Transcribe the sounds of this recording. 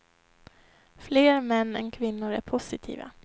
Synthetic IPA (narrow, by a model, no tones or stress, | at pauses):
fleːɾmɛnːɛ̰nkʰvɪnːʊɾæ̰ɾpʰʊsɪt̪ʰḭːva̰